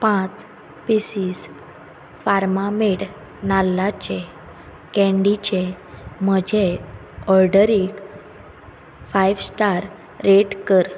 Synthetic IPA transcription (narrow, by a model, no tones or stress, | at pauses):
pãt͡s | pisiːs | faɾmameʈ | nalːat͡ɕe | kɛ̃ɳɖit͡ɕe | məd͡ʑʱe | ɔɾɖəɾik | fajʋsʈaɾː | eʈkəɾ